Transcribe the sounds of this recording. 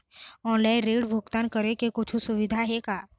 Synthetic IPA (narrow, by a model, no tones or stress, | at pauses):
ɔ̃ːnlaːɪnɾeːɽbʱʊɡt̪aːnkəɾekekʊt͡ʃʰusʊʋɪd̪ʱaɦɛkaː